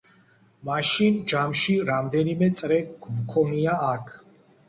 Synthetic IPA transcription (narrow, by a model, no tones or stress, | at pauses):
maʃind͡ʒamʃiɾamd̪ɛnimɛt̪sʼɾɛɡmkʰɔniaːkʰ